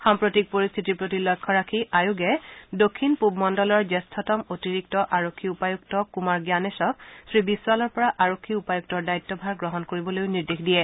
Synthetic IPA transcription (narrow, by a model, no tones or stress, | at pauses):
xampɹotik̚poɹist̪ʰitiɹpɹotilɔkʰːɔɹakʰiajuɡɛdokʰːinpubmɔndɔlɔɹd͡ʒestʰɔtɔmotiɹik̚tɔʔaɹokʰːiupajuk̚tɔkumaɹɡjanesɔk̚sɹibiswalɔɹpɔɹaʔaɹokʰːiupajuk̚tɔɹdaitːɔbʱaɹɡɹɔɦɔnkoɹibɔlojʊniɹdexdijɛ